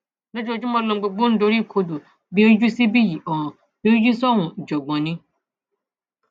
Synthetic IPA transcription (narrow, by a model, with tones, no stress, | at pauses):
nõ˦d͡ʒo˨d͡ʒu˦mɔ̃˧lo˧˦ɡ͡bo˧ɡ͡bõ˦n̩˦do˨˦ɾi˦˨kʰo˧do˨ | bi˦o˦d͡ʒu˦si˦bi˦ji˨ɔ̃˨ | bi˦d͡ʒu˦sɔ˦wũ˨d͡ʒo˨ɡ͡bɔ̃˨nĩ˦